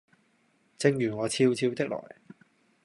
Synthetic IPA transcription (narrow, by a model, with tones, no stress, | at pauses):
t͡sɪ˧ŋjyː˨˩ŋɔː˨˧t͡sʰiː˧wt͡sʰiː˧wt̪ɪ˥k̚lɔ̰ː˨˩j